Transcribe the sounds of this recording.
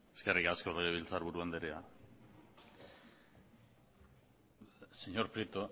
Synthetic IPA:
e̥skerikaskoleɣeβilt͡saɾβuɾuand̪eɾea | seɲo̞ɾpɾet̪o

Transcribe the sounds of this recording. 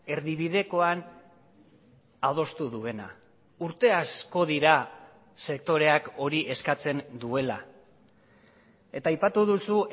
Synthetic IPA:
e̞ɾðiβiðe̞ko̞an | að̞o̞st̪uðue̞na̰ | uɾt̪e̞asko̞ð̞iɾa | se̞k̚t̪o̞ɾe̞ako̞ɾiʔe̞skat͡se̞nd̪ue̞la | e̞t̪aːjpat̪uðusu

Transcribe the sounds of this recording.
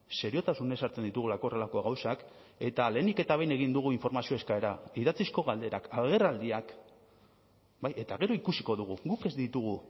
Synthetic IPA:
se̞ɾio̞t̪asune̞saɾt͡se̞nd̪it̪uɣulakore̞lako̞ɣawsak | e̞t̪ale̞ːnike̞t̪aβ̞e̞jne̞ɣ̞ind̪uɣ̞uiɱfo̞ɾmasio̞e̞skae̞ɾaiðat͡sisko̞ɣald̪e̞ɾakaɣe̞rald̪iak | baje̞t̪aɣe̞ɾo̞ikusi̥ko̞ðuɣ̞uɡuke̞zd̪it̪uɣ̞u

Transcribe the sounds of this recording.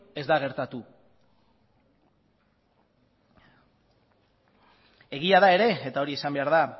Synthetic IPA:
e̞zd̪aɣ̞e̞ɾt̪at̪u | e̞ɣiaðae̞ɾe̞ːt̪ao̞ɾiesambe̞aɾð̞a

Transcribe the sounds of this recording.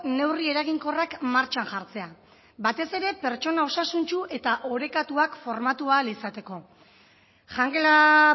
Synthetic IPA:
ne̞wrie̞ɾaɣiŋko̞rakmaɾt͡ʃaŋʝaɾt͡se̞a | bat̪e̞se̞ɾe̞pe̞ɾt͡ʃo̞nao̞sasunt͡ʃuʔe̞t̪aʔo̞ɾe̞kat̪uakfo̞ɾmat̪ualisat̪e̞ko̞ | ʝaŋɡela

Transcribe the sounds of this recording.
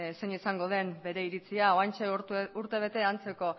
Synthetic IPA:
seɲisaŋɡo̞ð̞e̞mbe̞ɾe̞iɾit͡siaoant͡ʃeuɾt̪e̞β̞e̞t̪e̞ant͡se̞ko̞

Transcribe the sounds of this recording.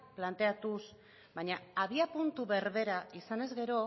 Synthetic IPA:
plant̪e̞at̪us | baɲaːβiapunt̪uβe̞ɾβe̞ɾaisane̞zɣe̞ɾo̞

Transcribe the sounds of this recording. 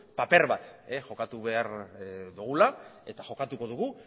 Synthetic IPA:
pape̞ɾβat̪exo̞kat̪uβe̞aɾd̪uɣ̞ulae̞t̪aʝo̞kat̪uko̞ðuɣu

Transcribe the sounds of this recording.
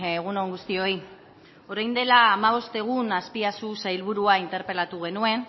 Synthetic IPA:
eɣ̞unoŋɡust̪io̞j | o̞ɾajnd̪e̞laːmaβ̞o̞st̪eɣ̞unaspiasusajlβ̞uɾuaint̪e̞ɾpe̞lat̪uɣ̞e̞nue̞n

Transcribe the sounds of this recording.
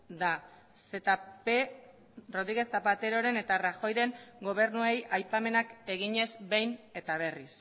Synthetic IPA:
d̪a | se̞t̪ape | ro̞ðɾiɣe̞t͡sapat̪e̞ɾo̞ɾe̞ne̞t̪araxo̞jɾe̞ŋɡo̞β̞e̞ɾnuejajpame̞nake̞ɣiɲe̞zbe̞jne̞t̪aβ̞e̞ris

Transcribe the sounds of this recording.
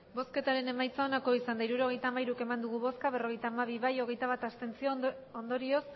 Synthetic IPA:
bo̞ske̞t̪aɾe̞ne̞majt͡sao̞nako̞isand̪aiɾuɾo̞ɣ̞e̞jt̪aːmaiɾuke̞mand̪uɣ̞uβo̞skaβ̞e̞ro̞ɣe̞jt̪aːmaβ̞iβajo̞ɣe̞jt̪aβ̞at̪ast̪e̞nt͡sio̞ond̪o̞ɾio̞s

